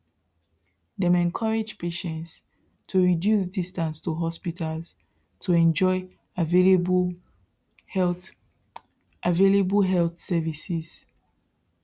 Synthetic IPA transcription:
dɛ̃mɛ̃nkʰɔɹed͡ʒpʰeʃɛ̃nts | tʰuɹidjus̬distãnstʰuɦɔspitalz | tʰuɛ̃nd͡ʒɔɪ | vl | ʔavelebəlɦɛlθsɛvisiz̥

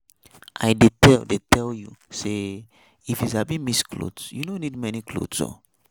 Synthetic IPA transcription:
ʔa̰jdetɛldetʰɛljṵse | ifizabĩmiskʰlo̰dsjunonid̚mɛnikʰlo̰dso̰

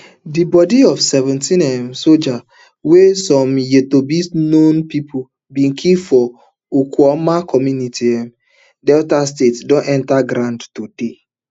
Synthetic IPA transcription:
dibɔdiɔfsɛvɛ̃ntĩnɛmsod͡ʒa | wesɔ̃mjetobisnõnpipʰu | bĩnkʰifɔ | ukɔmakʰɔmjunitʰiɛm | dɛɔtastetsdɔ̃nʔɛ̃ntaɡɾãndtode

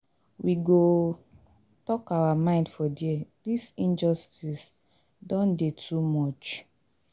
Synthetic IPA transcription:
wiɡo | tɔkawamãɪ̃ndfɔdiɛdisĩnd͡ʒɔstis | dɔ̃ndetʰumɔt͡ʃ

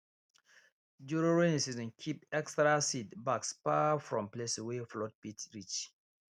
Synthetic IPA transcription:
d͡ʒuɹoɹẽsizɔ̃nkʰipɛkstɹasidbaksfafɹɔ̃mplesweflɔt̚pitɹit͡ʃ

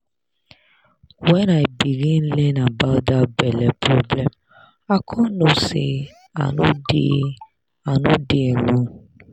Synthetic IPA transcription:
wɛnãibiɾĩn̩lɛnãbadabɛlɛpɾoblɛm | akʰɔ̃nõse | a̰nũde | anũdeɛnũ

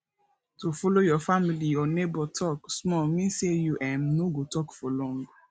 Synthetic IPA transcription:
tofolojɔfamiliɔnebɔtʰɔksmɔmĩsejuʔɛ̃mnoɡotɔkfɔlɔ̃ŋɡ

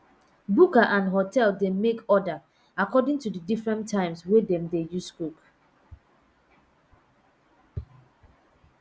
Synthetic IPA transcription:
bukaʔãnɦotʰɛldemekɔda | akɔdĩŋtudədifɹɛ̃ntʰːãɪ̃mswɛdɛ̃mdejuskuk

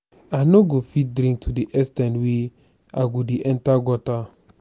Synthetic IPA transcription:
anoɡofit̚dɾĩŋk̚tʰudiʔɛstɛ̃ndwe | aɡodeʔɛ̃ntaɡɔta

